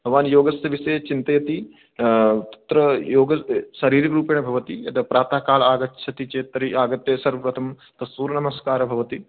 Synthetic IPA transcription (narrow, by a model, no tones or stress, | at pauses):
bʱɐʋaːnjoːɡɐsɐʋisɐːt͡ʃint̪ɐjɐt̪i | t̪ɐ̥t̪ɾɐjoːɡɐʃɐɾiːɾɐɾuːpeːɳɐbʱɐʋɐt̪iɐt̪ɐpɾaːt̪aːkaːlɐaːɡɐʃʰɐt̪it͡ʃeːt̪ɐɾiaːɡɐt̪jeːsɐɾʋɐpɾɐt̪ʰɐm | t̪ɐsʋuːɾnɐmɐskaːɾɐbʱɐʋɐt̪i